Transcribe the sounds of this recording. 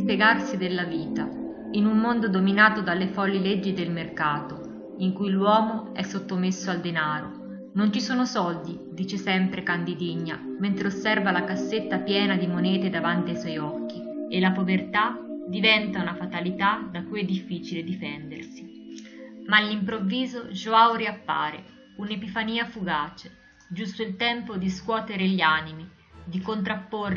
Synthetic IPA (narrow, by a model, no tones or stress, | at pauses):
peɡarsid̪elːaviːt̪a | inumːond̪od̪ominaːt̪od̪alːefɔlːiled͡ʒːid̪elmerkaːt̪o | iŋkujlwɔːmoɛsːot̪ːomesːoald̪enaːɾo | nont͡ʃisoːnosɔld̪i | d̪iːt͡ʃesɛmpɾekand̪id̪iɲːament̪ɾeosːɛrvalakasːet̪ːapjɛːnad̪imonɛːt̪ed̪avant̪iajswɔjɔkːielapovert̪ad̪ivɛnt̪aunafat̪alit̪ad̪akujɛd̪ːifːiːt͡ʃiled̪ifɛnd̪ersi | malːimpɾovːiːzoʒoawɾiapːa̰ːɾḛ | unepifaniːafuɡaːt͡ʃe | d͡ʒust̪oilt̪ɛmpod̪iskwɔːt̪eɾeʎiaːnimi | d̪ikont̪ɾapːor